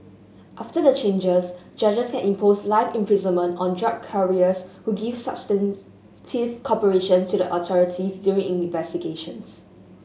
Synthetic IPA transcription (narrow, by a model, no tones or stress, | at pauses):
ʔaftədət͡ʃẽnd͡ʒəs | d͡ʒad͡ʒəskɛ̃nĩmpʰoslaɪfɛ̃mpʰɹizə̃nmə̃ntɔ̃ndɹakʰːəɹiəshuɡiv̥sa̰b̥stɛ̃n | tʰivkʰɔpəɹeʃə̃ntudəʔɔtʰɔɹitʰisdjuɹĩŋĩɱvɛstiɡeʃə̰̃ns